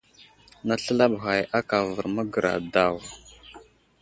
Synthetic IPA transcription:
na˦ɬə˦la˦bɣa˨jʔa˦ka˨və˨ɾmə˦ɡə˨ɾa̰˨da˦˨w

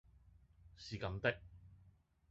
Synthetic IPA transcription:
siː˨kɐ˨˧mt̪ɪ˥k̚

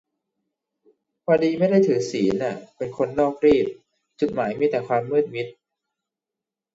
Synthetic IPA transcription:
kʰaː˧diː˧ma˥˩jda˥˩jt̪ʰɯː˩˦ŋsiː˩˦nʔa˧˩pe˧nkʰo˧nːɔː˥˩k̚ɾiː˥˩t̪̚ | t͡ɕu˨˩t̪̚maː˩˦jmi˦˥t̪ɛː˨˩kʰwaː˧mːɯː˥˩t̪̚mi˦˥t̪̚

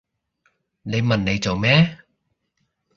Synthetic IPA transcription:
le˨˧jmɐ˨˩nle˨˧jt͡so˨˩wmɛ˦˥

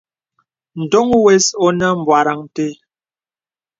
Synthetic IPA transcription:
n̩˨do˦ŋwɛ˦sɔ˦na˦m̩˨bwa˨ɾa˨ŋte˦

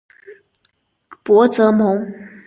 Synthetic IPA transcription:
pwɔ˧˥t͡sɤ˧˥mo˧˥ŋ

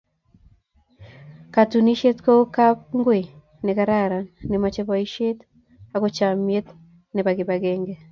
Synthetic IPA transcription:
ka˨tu˨ni˦ʃe˦tko˦ka˦p̚ŋɡwe˨ | ne˨ka˦ɾa˦ɾa˨ne˨ma˨t͡ʃe˦βɔ˨i˦ʃe˦t | aɡo˦t͡ʃa˨mje˦t̪ | ne˨ba˨ɡɪ˨ba˨ɡe˦ŋɡe˨

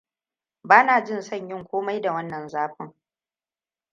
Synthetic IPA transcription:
baː˦naː˨d͡ʒɪ˦˨nsɐ˦˨ɲjɪ˦ŋkʷoː˦ma˦jda˨wɐ˦nːɐ˨nzaː˦ɸɪ˦ŋ

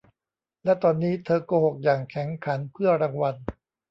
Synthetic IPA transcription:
lɛ˦˥t̪ɔː˧nːiː˦˥t̪ʰɤː˧koː˧˩ho˨˩k̚jaː˨˩ŋkʰɛ˩˦ŋkʰa˩˦npʰɯ˥˩ɐɾa˧ŋwa˧n

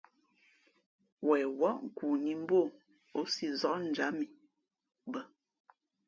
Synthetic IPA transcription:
wɛː˨wɔ˦ʔŋ̩˨ku˨ni˨m˦bo˦˨ | o˨˦si˦zɔ˦ʔn̩˨d͡ʒa˨˦mi˨ | bə˨

